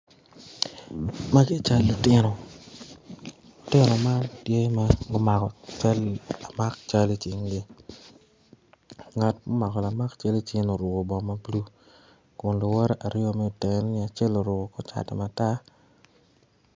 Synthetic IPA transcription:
ma˦ɡɪ˦˨t͡ʃa˦lːʊ˨tɪ˦no˨ | lʊ˨tɪ˦no˨ma˦ntje˦ma˦ɡo˦ma˨kɔ˨t͡ʃa˦lla˨ma˦k̚t͡ʃa˦li˦t͡ʃɪ˨ŋli˦ | ŋa˨tmo˦ma˨kɔ˨la˨ma˦kt͡ʃa˦li˦t͡ʃɪ˦ŋno˨ɾʊ˨ɡo˨bɔ˨ma˦blu˦ | ko˨nlo˨wɔ˦ɾɛ˦ʔa˨ɾjo˦mɛ˦o˨te˨˦n˦nɪ˦˨a˨t͡ʃe˦lo˨ɾʊ˨ɡo˨kɔ˦t͡ʃa̰˨tɛ̰˨ma˨ta˦

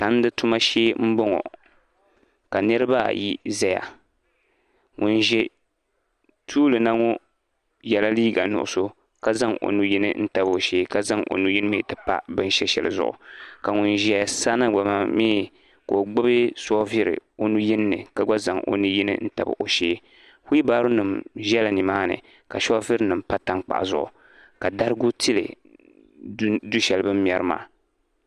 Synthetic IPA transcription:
ta˨n̩˦dɨ˦tu˦ma˦ʃeː˦m̩˦bɔ˦ŋɔ̰˨ | ka˨nɨ˦ɾɨ˦ba̰˦jḭ˦za˦ja̰˨ | ŋʊ˨nʒɛ˦ | tʰuː˦lɨ˨na˦ŋɔ˦ | jɛ˨la˦liː˦ɡa̰˨nʊ̰˨ʔʊ̰˦so˦ | ka˦za˦ŋʔo̰˨nu˦ji˦nɨ̰˦n̩˦ta˨bo˨ʃeː˦ka˦za˦ŋʔo̰˨nu˦ji˦n˦me˨tɨ˨pa̰˦bɨ˦n˦ʃɛ˦ʃɛ̰˨lɨ̰˨zʊ̰˦˨ʔʊ̰˨ka˨ŋu˨nʒɛ˦˨sa˦na˦ɡ͡ba˨ma˦miː˦ | ko˨o˨ɡ͡bɨ˦bɨ˦sɔ˦vi˦ɾɨ̰˨o˦nu˦ji˦nː˦ɨ̰˨ka˦ɡ͡ba˦za˨ŋʔo̰˨nu˦ji˦nɨ̰˦n̩˦ta̰˨bɨ̰˨ʔo˨ʃeː˦ | hu˦i˦baː˦ɾu˦nɨ˨mʒɛ˦la˨ni˨maː˦nɨ̰˨ | ka˨ʃɔ˦vi˦ɾnɨ˨mpa˦ta˦ŋk͡pa̰˨ʔzʊ˨ʔʊ̰˨ | ka˨da˦ɾɨ˦ɡu˦ti˦lɨ̰˨˦ | du˦ʃɛ˨lɨ˨bɨ˦m̩˦jɛ˦ɾɨ˦ma̰ː˦˨

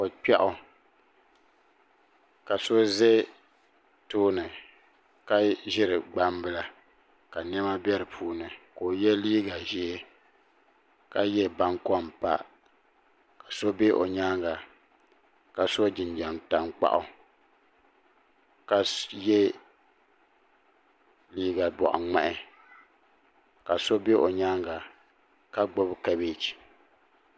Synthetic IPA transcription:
o˨k͡pɛ˦ʔʊ˦ | ka˨so˦ze˦ | toː˦nɨ˨ | ka˦ʒɪ˦ɾɨ˨ɡ͡ba˦mbɨ˦la˨ | ka˨n˦ɛ˦ma˦bʲɛ˦ɾɨ˨pʰuː˦nɨ˨ko˨jɛ˦liː˦ɡa˨ʒi˦e˦ | ka˨jɛ˦ba˦ŋkɔ˦mpa̰˦ | ka˨so˦be˦ʔo̰˨ɲa˦ŋɡa˨ | ka˨so˦d͡ʒɪ˨nd͡ʒɛ˨nta˨ŋk͡pa̰˦ʔʊ˦ | ka˨jɛ˦ | liː˦ɡa˨bɔ̰˨ʔa̰˨ŋ͡ma̰˦˨ʔɪ˦ | ka˨so˦be˦ʔo˨ɲa˦ŋɡa˨ | ka˦ɡ͡bo˦bka˦be˦t͡ʃi̥˨

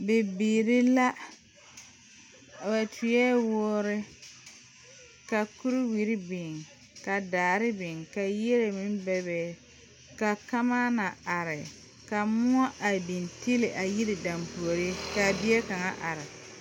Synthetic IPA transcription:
bɪ˨biː˨ɾɪ˦la˦˨ | ba˨tʰu˨jɛ˦wɔː˦ɾɪ˦ | ka˨ku˦ɾi˦wi˨ɾi˦bɪ˨ŋ | ka˨daː˨ɾɪ˦bɪ˨ŋka˨ji˦ɾe˨mɪ˦m˦bɛ˦bɛ˨ | ka˨ka˦ma˦na˨a˨ɾɪ˨ | ka˨mʊ˦ɔ˦ʔa˨bi˨ntɪ˦lɪ˨ʔa˨ji˦ɾɪ˨da˨mpu˨o˨ɾi˦ka˨bɪ˦ɛ˦ka˨ŋa̰˦ʔa˨ɾɪ˨

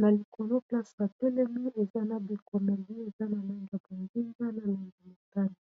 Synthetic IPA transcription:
na˨li˨kʰo˨lo˦pla˦sa˨ja˨tɛ˦le˦mi˦e˨za˦na˨bi˨ko˨mɛ˨li˦e˨za˦na˨la˦ŋɡi˨a˨bo˨ŋɡi˦ŋɡa˦na˨la˦ŋɡi˨ma˨ta˦ni˨

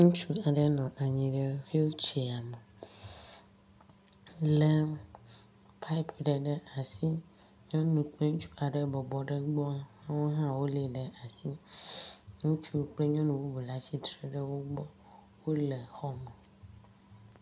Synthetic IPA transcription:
ŋũ˦t͡ʃu˦a˨ɖɛ˦nɔ̃˨ʔa˨ɲĩ˨ɖe˦xe˦wo˦t͡ʃe˨a˨me˨ | lɛ˦ | pʰa˦i˦pʰɖɛ˨ɖɛ˦ʔa˨si˦ | ɲɔ̃˦nũ˨k͡ple˦ŋ̩̃˦t͡ʃu̥˦a˨ɖɛ˦bɔ˨bɔ˨ɖɛ˦ɡ͡bɔ˦a˦hã˦wo˦ɦã˦wo˦le˨ɖɛ˨ʔa˨si˦ | ŋũ˦t͡ʃu˦˨k͡ple˦ɲɔ̃˦nũ˨wo˦bu˨la˨t͡ɕi˦t̪ɾe˦ɖe˦wo˦ɡ͡bɔ˦ | wo˦le˨xɔ˦me˨

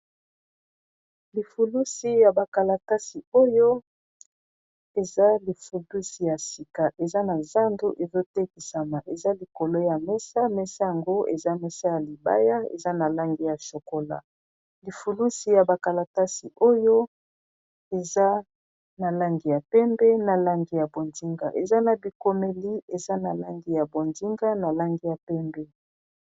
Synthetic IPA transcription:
li˨fu˨lu˦si˨ja˨ba˨ka˨la˨ta˦si˨o˦jo˦ | e˨za˦li˨fu˨lu˦si˨ja˨si˨ka˨ʔe˨za˦na˨za˦ndu˦ʔe˨zo˦tɛ˦ki˨sa˨ma˨ʔe˨za˦li˨ko˨lo˦ja˨mɛ˦sa˦mɛ˦sa˦ja˨ŋɡo˦ḛ˨za˦mɛ˦sa˦ja˨li˨ba̰˦ja˦ḛ˨za˦na˨la˦ŋɡi˦ja˨ʃo˨ko˦la̰˨ | li˨fu˨lu˦si˨ja˨ba˨ka˨la˨ta˦si˨ʔo˦jo˦ | e˨za˦ | na˨la˦ŋɡi˨ja˨pɛ˦mbɛ˦na˨la˦ŋɡi˨ja˨bo˨nzi˦ŋɡa̰˨ʔḛ˨za˦na˨bi˨ko˨me˦li˦e˨za˦na˨la˦ŋɡi˦ja˨bo˨nzi˦ŋɡa˦na˨la˦ŋɡi˦ja˨pɛ˦mbɛ˦

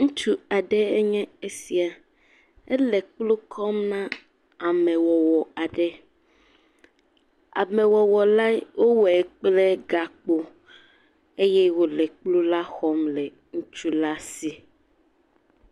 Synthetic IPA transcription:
ŋũ˦t͡ʃu˦a˨ɖɛ˦ɛ˦ɲɛ̃˦e˦si˨a˨ | ɛ˦lɛ˨k͡plu˦kʰɔ˦mnã˦ | a˨mɛ̃˨wɔ˨wɔ˨a˨ɖɛ˦ | a̰˨mɛ̃˨wɔ˨wɔ˨la˦wo˦wɛ˨k͡plɛ˦ɡa˨k͡po˦ | e˦jɛ˦wo˦lɛ˨k͡plu˦la˦xɔ˦mlɛ˨ | ŋũ˦t͡ʃu˦la˦si˨

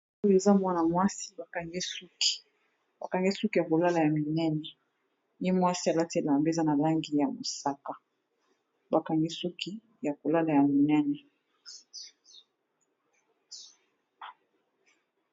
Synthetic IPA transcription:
u˦e˨za˦mwa˦na˨mwa˦si̥˦ba˨ka˨ŋɡe˦su˦ki̥˨ | ba˨ka˨ŋɡe˦su˦ki˦ja˨ko˨la˦la˨ja˨mi˨nɛ˦nɛ˨ | je˦mwa˦si˦a˨za˦te˨la˨mbe˦˨za˦na˨la˦ŋɡi˨ja˨mo˨sa˦ka˨ | ba˨ka˨ŋɡi˦su˦ki˦ | ja˨ko˨la˦la˨ja˨mi˨nɛ˦nɛ˨

